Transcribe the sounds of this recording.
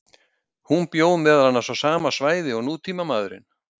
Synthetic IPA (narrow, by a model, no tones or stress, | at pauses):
hunpjoːwðmɛːðalhanːasɔsaːmasvaːjðɪɔɣnuːt̪ʰiːmamaːðɾɪ̰n